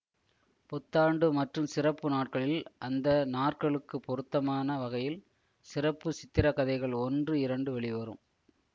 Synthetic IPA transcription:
pɔt̪ːaːɳɖɯmɐʈrɯmsɪrɐpːɯnaːʈ̚kɐɭɪlʔɐnd̪ɐnaːʈkɐɭɯkːɯpːɔɾɯt̪ːɐmaːnɐʋɐɣɐjɪl | sɪrɐpːɯsɪt̪ːɪɾɐkːɐðɐɪɣɐɭɔndrɯɪɾɐɳɖɯʋɛɭɪʋɐɾɯ̰m

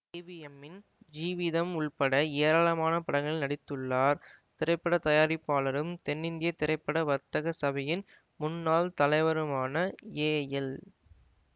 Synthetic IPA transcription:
eːʋijɛmːɪn | d͡ʒiːʋɪðɐmʊɭpɐɽɐeːɾaːɭɐmaːnɐpɐɽɐŋɡɐɭɪlnɐɽɪt̪ːɯɭːaːɾ | t̪ɪɾɐɪpːɐɽɐt̪ɐjaːɾɪpːaːlɐɾɯmt̪ɛnːɪnd̪ɪjɐt̪ːɪɾɐɪpːɐɽɐʋɐt̪ːɐɣɐsɐbɐjɪn | mʊnːaːlt̪ɐlɐɪʋɐɾɯmaːnɐeːjɐl

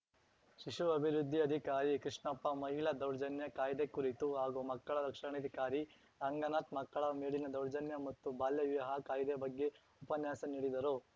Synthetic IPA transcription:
ʃiʂuɐbʱiɾud̪ʱːiɐd̪ʱikaːɾikɾiʂɳɐpːɐmɐɦilɐd̪ɐwɾd͡ʒɐnjɐkaːjd̪ekuɾit̪uɦaːɡumɐkːɐɭɐd̪ɐkʂɐɳɐd̪ʱikaːɾi | ɾɐŋɡɐnaːt̪mɐkːɐɭɐmeːɭinɐd̪ɐwɾd͡ʒɐnjɐmɐt̪ːubaːljɐʋiʋɐɦɐkaːjd̪ebɐɡːe̞ | upɐnjaːsɐniːɽid̪ɐɾu

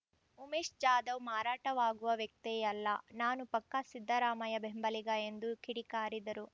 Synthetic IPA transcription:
umeːʃd͡ʒaːd̪ɐʋmaːɾaːʈɐʋaːɡuʋɐʋjɐk̚t̪ɛjɐlːɐnaːnupɐkːɐsid̪ʱːɐɾaːmɐjɐbembɐliɡɐe̞nd̪ukʰiɽikaːɾid̪ɐɾu

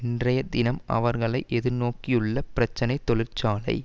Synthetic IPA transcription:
ɪndrɐjɐd̪ɪnɐmɐ̰ʋɐɾɣɐɭɐɪʔɛðɯɾnoːkijɯɭːɐpɪɾɐt͡ʃːɐnɐɪt̪ːɔlɪrt͡ʃaːlɐ̰ɪ

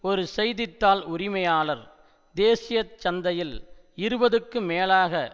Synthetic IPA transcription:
ɔɾɯsɛjðɪt̪ːaːlʊɾɪmɐjaːlɐɾ | d̪eːsɪjɐt͡ʃːɐnd̪ɐjɪl | ɪɾɯbɐðɯkːɯmeːlaːɣɐ

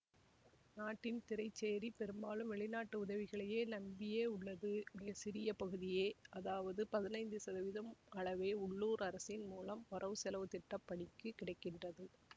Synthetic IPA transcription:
naːʈːɪnt̪ɪɾɐɪt͡ʃːeːɾipɛɾɯmbaːlɯmʋɛɭɪnaːʈːɯʊðɐʋɪɣɐɭɐjeːnɐmbɪjeːʊɭːɐðɯmɪɣɐsɪɾɪjɐpɐɣɯðɪjeːɐðaːʋɐðɯpɐðɪnɐɪnd̪ɯsɐðɐʋɪðɐmɐɭɐʋeːʊɭːuːɾɐɾɐsɪnmuːlɐmɔɾɐʋɯsɛlɐʋɯt̪ɪʈːɐpːɐɳɪkːɯkɪɽɐɪkːɪndrɐðɯ

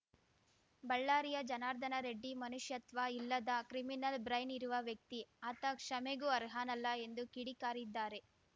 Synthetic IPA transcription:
bɐɭːaːɾijɐd͡ʒɐnaːɾd̪ʱɐnɐɾeɖːimɐnuʂjɐt̪ʋɐilːɐd̪ɐkɾiminɐlbɾɐjniɾuʋɐʋjɐk̚t̪iɐt̪ɐkʂɐmeɡuɐɾɦaːnɐlːɐe̞nd̪ukiɽikaːɾid̪ːaːɾe̞

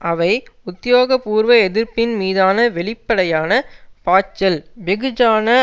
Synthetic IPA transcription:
ʔɐʋɐɪʊt̪ːɪjoːɣɐpuːɾʋɐɛðɪɾpɪnmiːðaːnɐʋɛɭɪpːɐɽɐjaːnɐpaːt͡ʃːɐlbɛɣɯd͡ʒaːnɐ

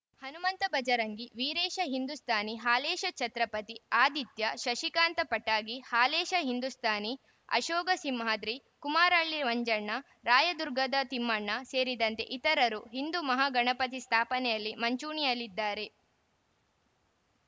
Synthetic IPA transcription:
hɐnumɐnt̪ɐbɐd͡ʒɐɾɐŋɡiʋiːɾeːʃɐɦind̪ust̪ʰaːniɦaːleːʃɐt͡ʃɐt̪ɾɐpɐt̪iaːd̪it̪jɐʃɐʃikaːnt̪ɐpɐʈːaːɡihaːleːʃɐɦind̪ust̪ʰaːni | ɐ̰ʃɔːɡɐsimɦaːd̪ɾi | kumaːɾaːɭːiʋɐɲd͡ʒɐɳːɐ | ɾaːjɐd̪uɾɡɐd̪ɐt̪imːɐɳːɐseːɾid̪ɐnt̪e̞̰ʔit̪ɐɾɐɾuɦind̪umɐɦaːɡɐɳɐpɐt̪̬ist̪ʰaːpɐnɛjɐlːimɐɲt͡ʃuːɳijɐlːid̪ːaːɾe̞

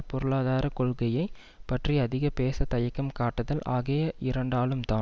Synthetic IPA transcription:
pɔɾɯɭaːðaːɾɐkɔɭɣɐjɐɪ | pɐʈriɐðɪɣɐpeːsɐt̪ːɐjɐkːɐmkaːʈːɐðɐlʔaːɣejɐʔɪɾɐɳɖaːlɯmt̪aː

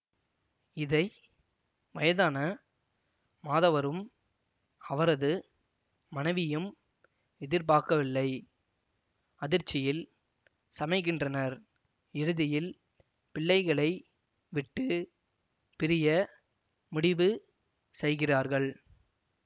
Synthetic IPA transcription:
ɪðɐɪ | ʋɐjɐðaːnɐ | maːðɐʋɐɾɯm | ɐʋɐɾɐðɯː | ɐnɐɪʋɪjɯm | ɛðɪɾpaːkɐʋɪlːɐɪ | ɐðɪɾt͡ʃːɪjɪl | sɐmɐɪk̬ːɪndrɐnɐɾ | ɪɾɯðɪjɪl | pɪɭːɐɪɣɐɭɐɪ | ʋɪʈːɯ | pɪɾɪjɐ | mʊɽɪʋɯ | sɛjɣɪraːɾɣɐɭ

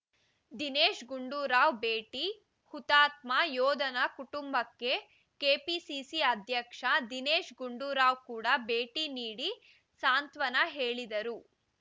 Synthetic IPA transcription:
d̪ineːʃɡuɳɖuːɾaːʋbeːʈi | hut̪aːt̪̚majɔːd̪ɐnɐkuʈumbɐkːe̞ | keːpisisiɐd̪ʱjɐkʂɐd̪ineːʃɡuɳɖuːɾaːʋkuːɽɐbe̞ːʈiniːɽi | saːnt̪ʋɐnɐɦeːɭid̪ɐɾu

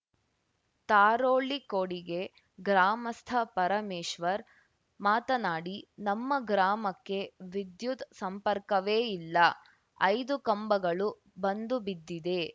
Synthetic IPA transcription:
t̪aːɾoːɭikoːɽiɡe̞ | ɡɾaːmɐst̪ʰɐpɐɾɐmeːʃʋɐɾ | maːt̪ɐnaːɽinɐmːɐɡɾaːmɐkːe̞ʋid̪jut̪sɐmpɐɾkɐʋeːilːɐ | ɐjd̪ukɐmbɐɡɐɭu | bɐnd̪ubid̪ːid̪e̞

